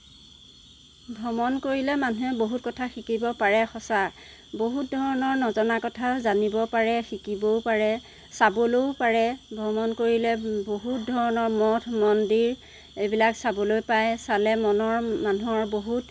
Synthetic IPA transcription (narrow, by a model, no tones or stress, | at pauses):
bʱɔmɔnkoɹilɛmanuɛboɦutkɔtʰaxikibɔpaɹɛxɔsa | boɦutdʱɔɹɔnɔɹnɔzɔnakɔtʰazanibɔpaɹɛxikibɔwpaɹɛ | sabolowpaɹɛbʱɔmɔnkoɹilɛboɦut̚dʱɔɹɔnɔɹmɔtʰmɔndiɹ | ejbilaksabɔlojpajsalɛmɔnɔɹmanuɔɹboɦut